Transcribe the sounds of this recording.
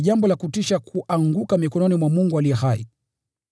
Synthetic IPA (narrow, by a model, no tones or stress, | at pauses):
ʄambɔlakutiʃakʰuʔaŋɡukamikɔnɔnimwamuŋɡualiɛhaḭ